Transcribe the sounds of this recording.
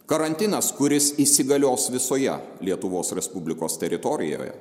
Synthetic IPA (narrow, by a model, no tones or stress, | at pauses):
kɐɾɐnʲt̪ʲɪnɐskʊɾʲɪsisʲɪɡɐlʲoːsʋʲɪsoːjɛ̰ | lʲiɛt̪ʊʋoːsɾʲɛspʊbʲlʲɪkoːst̪ʲɛɾʲɪt̪ɔɾʲɪ̰jo̰ːjɛ̰